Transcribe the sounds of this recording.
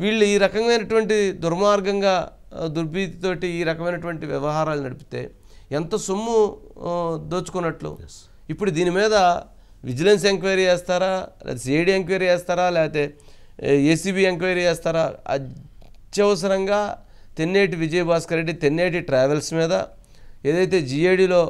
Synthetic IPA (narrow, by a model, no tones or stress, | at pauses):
ʋiːɭːuiːɾɐkɐmɐjnɐʈuʋɐɳʈid̪uɾmaːɾɡɐŋɡaː | d̪uɾbiːt̪i̥t̪o̞ːʈiːɾɐkɐmɐjnɐʈuʋɐɳʈiʋjɛʋɐɦaːɾaːlunɐɽipi̥t̪e̞̰ː | ent̪ɐsumːu | d̪o̞ːt͡ʃːu̥kunːɐʈlṵ | ipːuɽud̪iːnimiːd̪ɐ | ʋid͡ʒɐlens̬eŋkʋɐɾiːɛːst̪aːɾaːlɛ̰ːt̪esieɖiːeŋkʋɐɾiɛːst̪aːɾaːlɛːɡɐt̪e̞ː | eːsiːbiːeŋkʋɐjɾiɛːst̪aːɾaːɐ̰d͡ʒɐʋɐs̬ɐɾɐŋɡaː | t̪enːeːʈiʋid͡ʒɐjɐbaːskɐɾeɖːit̪enːeːʈ̬iʈɾɛːʋelsmiːd̪ɐ | e̞ːd̪ɐjt̪e̞ːd͡ʒiejɽiːlo̞ː